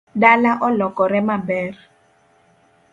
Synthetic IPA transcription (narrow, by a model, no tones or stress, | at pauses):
ɗalaʔɔlɔkʼɔɾɛmabɛːri